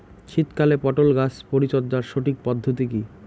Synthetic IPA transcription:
t͡ɕʰit̪kalepɔʈolɡat͡ɕpoɾit͡ɕod̪ːaɾʃoʈik̚pɔd̪ʱːot̪̬iki

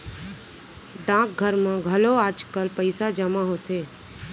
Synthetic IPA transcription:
ɖãːk̚ɡʱəɾmãɡʱəloaːd͡ʒkəlpəɪsad͡ʒəmãɦoːt̪ʰeː

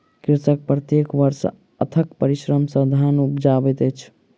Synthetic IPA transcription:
kiɾt̪ək̚pɾət̪jekʋəɾs | ə̰t̪ʰəkpəɾisɾəmsə̃d̪ʱanupd͡ʒabɛt̪ət͡ʃʰ

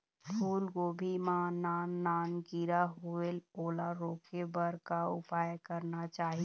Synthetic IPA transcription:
pʰuːlɡoːbʱimanaːnːaːnɡiɾaɦueloːlaɾoːkebəɾkaʊpaːjkəɾnat͡ʃaːɦi

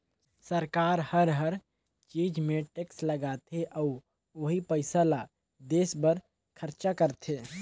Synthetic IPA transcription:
səɾkaːɾhəɾɦəɾ | t͡ʃiːd͡ʒmẽʈeksləɡat̪ʰeʔɔʊ | ʋoɦipəɪsala | d̪eːsbəɾ | kʰəɾt͡ʃakəɾt̪ʰeː

